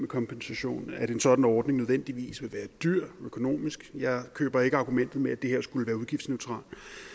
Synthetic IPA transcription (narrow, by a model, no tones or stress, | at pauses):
mekʰɒ̽mpʰensæɕo̝̰ːnæɾe̝nsɒ̽d̥n̩ɒːd̥ne̝ŋnøð̞ˠʋen̰d̥iʋḭːsʋe̝lʋæːɐd̥yɐ̰økʰo̝no̝̰ːmisɡ̥jɑ̈ɪkʰø̰ːb̥ɐe̝ɡ̥əɑ̈ɡ̥umen̰d̥ð̞̩ˠmeæd̥e̝heɐ̰sɡ̥uləʋæːɐuð̞ˠɡ̥ifd̥sneʊt͡sʰʁɑ̰̈ːl